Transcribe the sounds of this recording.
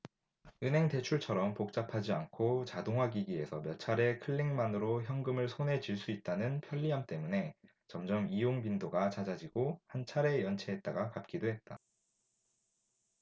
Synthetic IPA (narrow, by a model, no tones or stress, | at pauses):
ɯnɦe̞ŋte̞t͡ɕʰuɭt͡ɕʰʌɾʌmpok̚t͡ɕ͈apʰad͡ʑiankʰot͡ɕadoŋɦwaɡiɡie̞sʰʌmjʌt͡ɕʰaɾe̞kʰɯɭːeŋmanɯɾoçjʌŋɡɯmɯɭsʰonɦe̞d͡ʑiɭs͈uit̚t͈anɯnpʰjʌʎːiɦamt͈e̞mune̞ | t͡ɕʌmd͡ʑʌmijoŋpindoɡat͡ɕad͡ʑad͡ʑiɡohant͡ɕʰaɾe̞jʌnt͡ɕʰe̞ɦːt̚t͈aɡakap̚k͈idoɦe̞t̚t͈a